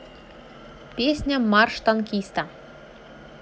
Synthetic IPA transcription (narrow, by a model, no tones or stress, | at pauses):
pʲesʲnʲamɑrʃt̪ɑnkʲist̪ɑ